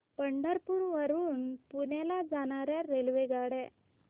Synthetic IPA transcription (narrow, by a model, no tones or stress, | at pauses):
pəɳɖəɾpuɾʋəɾuːnpunelad͡zaɳ̃aɾjaɾelʋeɡaɽɛ